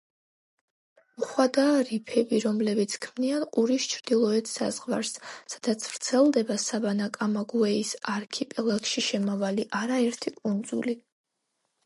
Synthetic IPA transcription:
muχwad̪aːɾipʰɛbiɾɔmlɛbit̪sʰkʰmnianqʼuɾist͡ʃʰɾd̪ilˠɔɛt̪ʰsa̰zʁva̰ɾsːad̪̥at̪sʰvɾt̪sʰɛlˠd̪ɛbasabanakʼamaɡuɛisaɾkʰipʼɛlˠakʃiʃɛmavaliʔaɾaɛɾt̪ʰikʼund̪zṵli

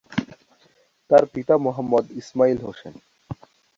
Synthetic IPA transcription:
t̪aɾpit̪amoɦəmːɔd̪ismailɦoʃen

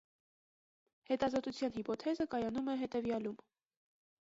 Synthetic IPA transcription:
hɛt̪ɑzɔt̪ut͡sʰjɑnhipɔt̪ʰɛzəkɑjɑnumɛɦɛt̪ɛvjɑlum

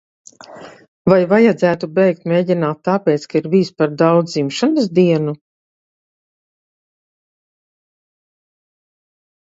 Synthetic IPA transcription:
vajvajad̪zæːt̪ubɛjk̚t̪mʲeːɟinaːt̪ːaːpʲeːt̪skaiɾviːspaɾd̪awd̪zzimʃanɨs̬d̪iɛnu

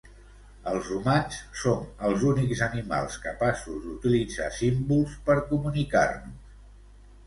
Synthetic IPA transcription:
əlˠzrumat͡ʃsonəlˠzunikzənima̰lˠskəpasuzd̪ut̪ilid͡zasimbulˠspəɾkumunika̰rnus

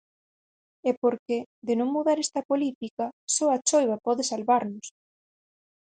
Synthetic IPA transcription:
ɛpoɾked̪ɪnõŋmuðaɾɛst̪ɐpolit̪ikɐsɔɐt͡ʃojβ̞ɐpɔðɪsalβaɾnʊs

